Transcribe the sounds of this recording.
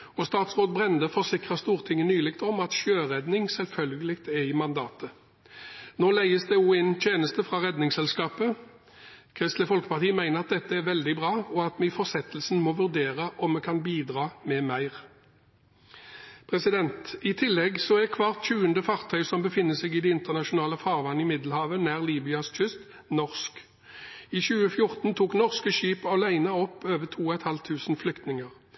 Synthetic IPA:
ɔst̪ɑːt̪sʁoːd̪bʁɛnd̪əfɔʁsɪkʁəst̪uːʁt̪ʰɪŋːənyːlɪkt̪ɔmɑt̪ʃøːʁɛd̪nɪŋsɛlfœlɡəlɪkt̪ɛʁiːmɑnd̪ɑːt̪ə | noːlæɪəsd̪ɛjuːænt̪ʰjeːnəst̪əfʁɑʁɛd̪nɪŋsɛlskɑːpə | kʰʁɪst̪ləfɔlkə̥pɑʁt̪ʰiːəmæɪnəʁɑt̪̚d̪ɛt̪ːəɛɾʋɛld̪ɪbʁɑːɔɑt̪mɛɪfɔʁsɛt̪ːlsn̩mɔʋʉʁd̪eːʁəʔɔmmɛkʰɑnbiːd̪ʁɑːmɛːmæɪʁ | pʰʁɛsɪd̪ɛnt̪ɪt̪ʰɪlːɛɡsɔækʰʋɑʁt̪çʉːənd̪əfɑʁt̪ʰœʏsɔmbəfɪnːəsɛɪɡɪːd̪ɛɪnt̪əʁnɑʃʊnɑːləfɑːʁʋɑnːəɪmɪd̪l̩hɑːʋənæːʁliːbʏɑsc͡çʰʏst̪ | nɔʁsk | iːçʉːəfjʊʁt̪n̩t̪ʰuːknɔʁskəʃyːpɔlæɪnəɔpːøːʋət̪ʰuːɔɛt̪hɑlt̪ʰːʉːsn̩flʏkt̪nɪŋəʁ

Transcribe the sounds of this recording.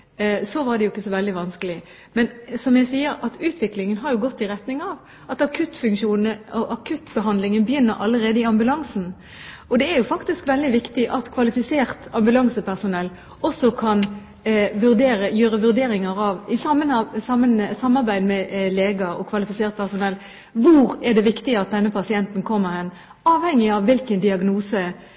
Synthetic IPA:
sɔʋɑɾɖ̪ɛjʊɪkːəsɔʋɛld̪ɪʋɑnskəlɪ | mɛnsɔmjæɪsiːəɾɑt̪ʉːt̪ʋɪklɪŋənɦɑɾjʊɡɔt̪ːɪʁɛt̪nɪŋɑʋ | ʔɑt̪ɑkʰʉt̪ːfʉŋkʃuːnəɔʔɑkʰʉt̪ːbəɦɑnd̪lɪŋənbəjʏnːəɾʔɑ̰lːəʁeːd̪əɪɑmbʉlɑŋsn̩ | ɔd̪ɛæɾjʊfɑkt̪ɪskʋɛld̪ɪʋɪkt̪ɪʔɑt̪kʰʋɑlɪfɪseːʁt̪ɑmbʉlɑŋsəpʰæʁsʊnɛlː | ɔsːɔkʰɑn | ʋʉɾd̪eːɾəjøːɾəʋʉʁd̪eːɾɪŋəɾɑʋɪsɑmːənsɑmːənsɑmːɑʁbæɪd̪mɛleːɡɑɔ̰kʰʋɑlɪfɪseːʁt̪̚pʰæʁsʊnɛlː | ʋʊɾɛd̪ɛʋɪkt̪ɪəɑt̪̚d̪ɛnːəpʰɑsɪɛnt̪n̩kʰɔmːəɾhɛn | ɑːʋhɛŋːɪɑʋʋɪlkənd̪ɪɑɡnuːsə

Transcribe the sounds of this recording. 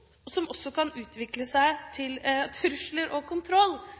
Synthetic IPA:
ɔsɔmɔsːɔkʰɑnʉːt̪ʋɪkləsæɪt̪ʰɪlt̪ʰʉɾʂləɾʔɔkʰʊnt̪ʰɾɔlː

